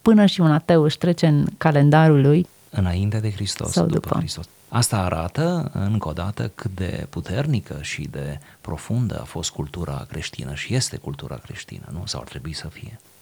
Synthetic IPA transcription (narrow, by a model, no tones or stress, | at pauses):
pɨnəʃiunat̪ewɨʃt̪ɾe̞t͡ʃe̞ɨnkale̞nd̪aɾuluj | ɨnaint̪ead̪e̞xɾist̪o̰sa̰wd̪ṵppə̰kɾist̪os | ast̪aːɾʔa̰t̪əɨ̰ŋko̞d̪at̪əkɨt̪̚d̪e̞̰put̪e̞rnikəʃid̪e̞pɾo̞fund̪ə̰a̰fo̞st̪̚kult̪uɾʔa̰kɾe̞ʃt̪ḭnəʃije̞st̪e̞kult̪uɾa̰kɾḛʃt̪ḭnə̰nusa̰wa̰rt̪ɾe̞buisəfije̞